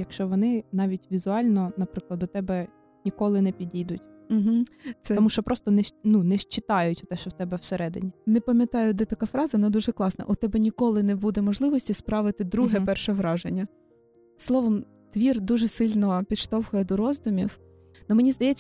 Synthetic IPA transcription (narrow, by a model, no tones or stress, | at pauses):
jɐkʃt͡ʃɔʋɔnɪnɑʋʲitʲʋʲizʊɑlʲnɔnɐpɾɪklˠɐd̪ɔt̪ɛbɛ | nʲikɔlˠɪnɛpʲidʲid̪ʊtʲ | m̩ɦ̩t̪sɛɔmuʃt͡ʃɔpɾʔɔst̪ɔnɛʃnunɛʃt͡ʃɪt̪ɑjʊtʲɔt̪ɛʃt͡ʃɔwt̪ɛbɛwseɾɛd̪ɪ̰nʲinɛpɐmʲjɐt̪ɑjʊd̪ɛt̪ɐkɑfɾɑzɐʋɔnɑd̪uʒɛklˠɑsnɐ̰ʔʊt̪ɛbɛnʲikɔlˠɪnɛbud̪ɛmɔʒlˠɪʋɔsʲtʲispɾɑʋɪt̪ɪd̪ɾuɦɛpɛrʃɛʋɾɑʒenʲːɐ | slˠɔʋɔm | t̪ʋʲird̪uʒɛsɪlʲnɔpʲid̪ʃt̪ɔwxʊjɛd̪ɔɾɔzd̪ʊmʲiw | nɔmenʲizd̪ɐjɛt͡sʲː